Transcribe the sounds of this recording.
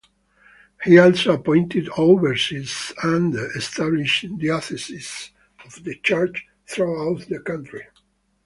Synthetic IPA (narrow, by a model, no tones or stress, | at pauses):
hiɔlsoapɔ̃j̃nt̪ɪd̪ovəɹsisæ̃nd̪ɛst̪abliʃd̪iɔθɛsis | ɔvd̪ət͡ʃəɹt͡ʃ | θɹuawt̪d̪əkãnt̪ɹi